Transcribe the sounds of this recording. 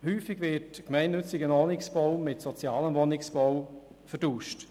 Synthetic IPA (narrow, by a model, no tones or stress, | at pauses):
hyːfɪɡʋɪtkmɛɪnːʏt͡sɪɡənɔnɪksb̥ɔwmɪtsɔt͡sjɑːləmʋonɪksb̥ɔw | fəɾduːʃt